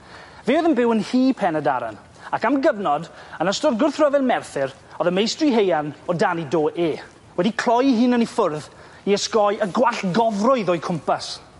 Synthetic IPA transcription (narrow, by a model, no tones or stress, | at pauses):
veːðənbɪwənhiːpʰɛnəda̰ɾa̰n | akamɡəvnɔdənəstɔrɡʊrθrəvɛlˠmɛrθɪɾ | ɔðəmejstriɦejanɔdanidoːʔeː | wɛdikʰl̥ˠɔjɦɨnənifʊrð | iəskɔjʔəɡwaɬɡɔvrʊɨðoːjkʰʊmpas